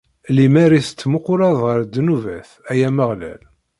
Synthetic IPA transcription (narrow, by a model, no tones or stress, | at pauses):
limæɾisə̥t͡s̪ːmʊqːʊɾˤɑðˤʁəɾd̪ːnuvæθ | æjæməʁlæ̰l